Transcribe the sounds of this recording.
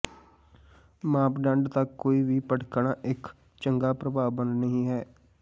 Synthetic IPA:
mãːpɖəɳɖt̪əkːoːiːʋiːpəɽkəɳãːʔɪk | t͡ʃəŋɡaːpɾəbaːbənnəɦĩːɦɛː

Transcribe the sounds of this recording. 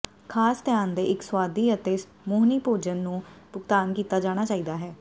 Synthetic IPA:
kʰaːst̪jaːnd̪eːʔɪkswaːd̪iːət̪eːɪs | moːɦniːpoːd͡ʒənːũːpʊɡt̪aːnkiːt̪aːd͡ʒaːɽ̃aːt͡ʃaːiːd̪aːɦɛː

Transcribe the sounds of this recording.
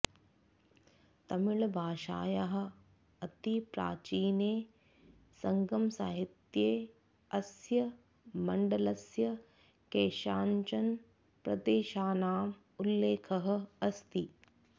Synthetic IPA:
t̪ɐmɪɭbʱaːʃa̰ːjaɦɐ̆ | ɐt̪ipɾa̰ːt͡ʃiːneː | sɐŋɡɐmsaːɦit̪jeː | ɐsjɐ | mɐɳɖɐlɐsjɐ | keːʃaːɲt͡ʃɐn | pɾɐ̰d̪eːʃaːnaːm | ulːeːkʰɐɦɐ̆ɐst̪i

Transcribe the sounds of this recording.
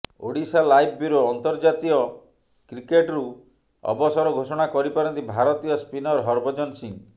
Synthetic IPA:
o̰ɽisalajb̚ʰbiɾooɔnt̪ɔɾd͡ʒat̪iɔ | kɾikeʈɾu | ɔ̰bɔsɔɾɔɡʱosɔɽ̃akɔɾipaɾɔnt̪ibʱaɾɔt̪ijɔspinɔɾɦɔɾbɔd͡ʒɔnsiŋ

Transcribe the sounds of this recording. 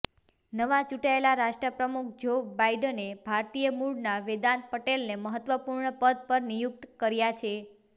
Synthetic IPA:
nəʋat͡ʃuʈaelaɾaʃʈɾəpɾəmukʰd͡ʒobaiɖənebʱaɾt̪ijəmuɽnaʋed̪anpəʈelneməɦət̪ʋəpuɾɳəpəd̪̚pəɾnijuk̚t̪kəɾjat͡ʃʰe

